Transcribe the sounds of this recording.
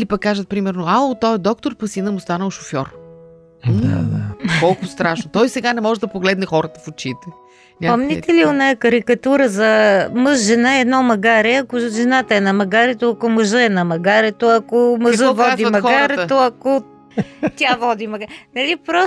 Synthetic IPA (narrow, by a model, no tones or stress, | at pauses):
ilipɐkːaʒət̪̚pɾimɛɾnoaot̪ɔɛd̪ɔk̚t̪oɾpɐsinəmʊst̪anəlˠʃofʲjɔɾ̩ | akɔlˠkʊst̪ɾaʃnot̪ɔjsɛɡanɛmɔʒɛd̪ɐpoɡlɛd̪nɛxɔɾət̪ə̥fot͡ʃit̪ɛ | nʲapɐmnʲɛt̪ɛlionajəkɐɾikɐt̪uɾəzɐməzʒɛnaɛd̪nɔmɐɡaɾɛɐkoʒɛnat̪əɛnɐmɐɡaɾɛt̪oɐkoməʒəɛnɐmɐɡaɾɛt̪oɐkomɐʒəvɔazd̪ivmɐɡaɾɛt̪oɐko | t̪ʲavɔd̪imɐɡanɐlipɾɔs